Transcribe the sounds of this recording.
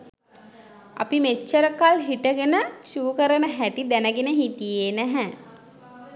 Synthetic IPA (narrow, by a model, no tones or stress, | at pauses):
a̰pimet͡ʃːəɾəkalɦiʈəɡenət͡ʃuːkəɾənəɦæʈid̪ænəɡenəɦit̪ijeːnæɦɛ